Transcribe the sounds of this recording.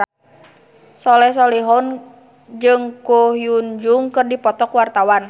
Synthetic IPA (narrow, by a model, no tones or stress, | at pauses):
sɔlɛs̬ɔliɦɔn | d͡ʒɨŋkuhijuɲd͡ʒuŋkɨrdipɔt̪ɔkwart̪awan